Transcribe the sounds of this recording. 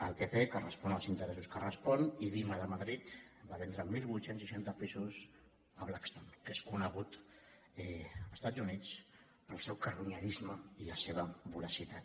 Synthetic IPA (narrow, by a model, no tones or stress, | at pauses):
əlˠpepekərəspɔnəlˠzint̪əɾɛsuskərəspɔniβiməðəməðɾit̪baβɛnd̪ɾəmilˠβut̪sensiʃant̪əpizus | əβlakst̪onkeskunəɣ̞ut̪ | ɛəst̪ad͡zunit͡s | pəlˠsɛwkəɾuɲəɾizməiləseβ̞əβuləsit̪at̪